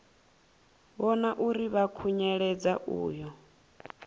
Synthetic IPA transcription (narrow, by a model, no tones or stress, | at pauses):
βɔnaʔuɾiβakʰuɲɛɺɛd͡zaʔṵːjɔ